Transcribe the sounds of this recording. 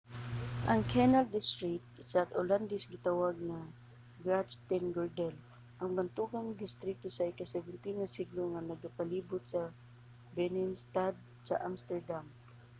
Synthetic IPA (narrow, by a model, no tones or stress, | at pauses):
ʔɐŋkʰɛnald̪ɪst̪ɾɪkt̪̚sat̪oland̪ɛsɡɪt̪awaɡ̚na | ɡɹad͡ʒt̪ɛnɡɔɹd̪ɛl | ʔɐŋbant̪uɡand̪ɪst̪ɾik̚t̪osɐɪkasɛvɛnt̪inasiɡloŋanɐɡapaliːbʊt̪sɐ | bɛnɪnst̪ad̪̚ | sɐ̰ʔamst̪ɛɹd̪am